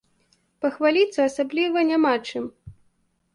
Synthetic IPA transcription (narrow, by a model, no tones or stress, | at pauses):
pɐxvalʲit̪sːɐasablʲivɐnʲamat͡ʂɨm